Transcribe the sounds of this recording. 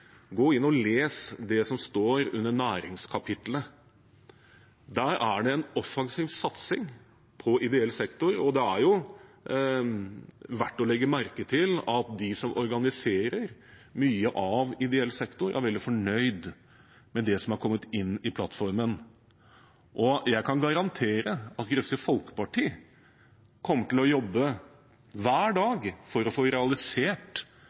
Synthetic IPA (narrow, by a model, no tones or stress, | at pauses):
ɡoːɪnːɔleːsd̪ɛsɔmst̪oːɾʉ̰nːəɳæːɾɪ̰ŋskʰɑpʰɪt̪lə | d̪æːɾæɖɛɛnɔfːɑŋsiːʋsɑt̪sɪ̰ŋ | pʰɔʔɪd̪ɛɛlːsɛkt̪ʊɾɔd̪ɛæɾjʊ | ʋæʈːɔlɛɡːəmæɾkət̪ʰɪlɑt̪̚d̪ɪsɔmɔɾɡɑnɪseːɾəɾ | myːəʔɑʋɪd̪ɛɛlːsɛkt̪ʊɾʔæ̰ɾʋɛld̪ɪfɔɳœʏd̪ | mɛd̪ɛsɔmɑɾkʰɔmːət̪ɪnːɪpʰlɑt̪ːfɔɾmən | ʔɔjæɪkʰɑnɡɑɾɑnt̪ʰeːɾəɑt̪ɡɾœsəfɔlkə̥pɑʈʰiː | kʰɔmːəʈɪlɔjɔbːə | ʋæːɖɑːɡfɔɾɔfoːɾɛɑlɪseːʈ